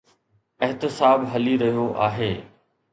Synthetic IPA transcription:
ɐɦt̪ɪsaːbɦɐliɾɐɦijoʔa̰ːɦeː

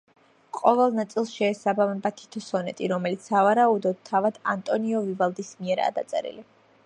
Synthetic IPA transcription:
qʼɔvɛlˠnat̪sʼilˠsʃɛːsabamɛbat̪ʰi̥t̪ʰɔsɔnɛt̪ʼiɾɔmɛlit̪sʰavaɾaud̪ɔd̪̥̚t̪ʰːavad̪ant̪ʼɔniɔvivalˠd̪ismiɛɾa̰ːd̪a̰t̪sʼɛ̰ɾḭli

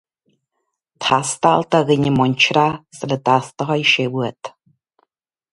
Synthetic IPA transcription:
t̪ʰast̪alt̪aɣɨɲɪmɔɲʲt͡ʃʰɾaslət̪ast̪ɔɦajʃɛwuɛt̪

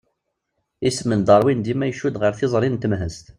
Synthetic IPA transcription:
ismənd̪ˤəɾˤwind̪imæjəʃud̪ʁəɾθɪzˤɾˤint̪əmɦəst̪

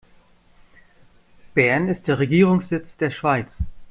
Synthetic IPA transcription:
b̥ɛɐnɪstd̥eːɐʁeɡiːʁʊŋsz̥ɪt͡sd̥eːɐʃv̥aɪt͡s

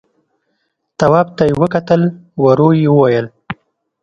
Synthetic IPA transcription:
t̪awɑb̚t̪ajewəkat̪əlwaɾojewəwajəl

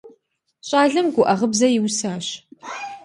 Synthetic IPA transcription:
ɕʼaːɮɨmɡʷʊʔɐʁəbzɐjɪwsaːɕ

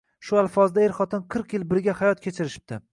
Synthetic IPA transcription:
ʃʊalˠfɒzd̪aeɾχɒt̪ʰɪnqʰɨɾqjɪlbɪɾɡʲahajɒt̪̚kʲʰet͡ʃʰɪɾɪʃɪ̥p̚t̪ʰɪ

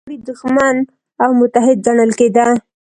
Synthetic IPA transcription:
ɽid̪ʊxman | awmʊt̪aɦɪd̪̚zaɳəlked̪a

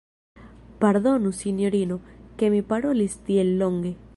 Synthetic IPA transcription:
paɾðonusinjoɾinokemipaɾolist̪ielːoŋɡe

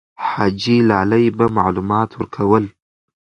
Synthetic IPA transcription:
ħad͡ʒilaːlɐjbɐmaʕlumaːtʰʊrkʰɐwɐl

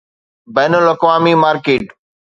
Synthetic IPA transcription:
bɛːnəlɐkʋaːmimaːɾkeːʈ

